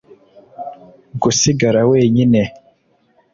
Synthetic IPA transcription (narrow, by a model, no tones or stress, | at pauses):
ɡusiɡaɾaweːɲinɛ